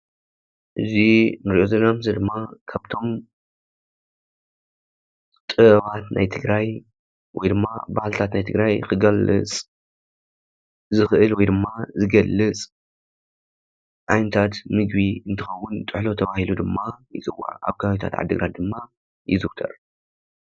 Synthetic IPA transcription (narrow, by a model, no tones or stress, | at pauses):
ʔɨzinɨɾiʔo̞zɐnamzɐd̪ɨmːakʰaβt̪ʰo̞m | t̪ʼɨɐβat̪na̰jt̪ʰɨɡɾaj | wɔjd̪ɨmːa̰ba̰hlt̪ʰat̪najt̪ʰɨɡɾajkɨɡɐlːɨ̰t͡sʼ | zɨxʔɨlwɔjd̪ɨmːazɨɡɐlːɨt͡sʼ | ʕajnɨt̪ʰat̪mɨɡbiɨnt̪ʰɨxɐwːʊnt̪ʼɨħlo̞t̪ʰɐβahilud̪ɨmːajɪ̰t͡sʼɨwa̰ʕʔa̰βɡajit̪ʰa̰t̪ʕa̰d̪ːɨɡɾat̪̚d̪ɨmːa | jɪzɨwt̪ʰɐ̰ɾ